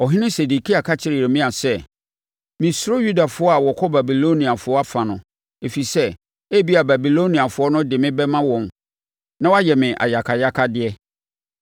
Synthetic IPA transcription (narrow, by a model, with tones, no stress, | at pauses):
ɔ˨ɦɪ̃˦nɪ̃˦se˨du˨kʰi˦a˨kʰa˦t͡ɕʰɪ˦ɾɪ˨ɾɛ˨mĩ˦a˨sɛ˦ | mɪ̃˨so˦ju˦da˨fʊ˨˦ɔ˦a˨wɔ˨kʰɔ˦ba˨bi˨lo˦nĩ˨a˨fʊ˨˦ɔ˦a˦fã˨nʊ̃˨ | e˨fi˨sɛ˦ | e˦bi˦a˨ba˨bi˨lo˦nĩ˨a˨fʊ˨˦ɔ˦nʊ̃˦dɪ˨mɪ̃˦bɛ˦mã˦wɔ̃˨m | nã˦wa˦jɛ˨mɪ̃˨ʔa̰˨ja˨kʰa˨ja˦kʰa˦dɪ˦ɛ˦